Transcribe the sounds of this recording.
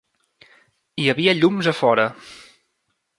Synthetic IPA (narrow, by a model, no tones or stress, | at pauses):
iəβiəʎumzəfɔɾə